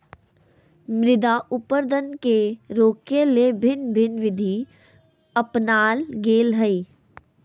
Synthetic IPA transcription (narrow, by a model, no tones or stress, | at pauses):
mɾɪd̪aʔʊpəɾd̪ʱənkeɾoːkelebʱɪnbʱɪnʋɪd̪ʱi | əpnaːlɡeːlɦəiː